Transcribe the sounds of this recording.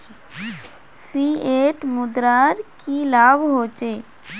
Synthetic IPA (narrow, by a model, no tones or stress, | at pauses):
piːeːʈmʊd̪ɾaːɾkilaːbɦoːt͡ʃeː